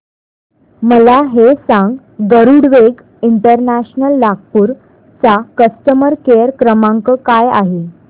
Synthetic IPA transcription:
məlaɦesãŋɡ | ɡəɾuɽʋeɡ | iɳʈəɾnæɕnəlːaɡ̚puːɾ | t͡sakəst̪əməɾkejəɾkɾəmãŋkəkaja̰ɦe

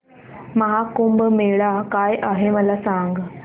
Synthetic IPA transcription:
məɦakumbmeɭakajʔaɦeməlasaŋɡ

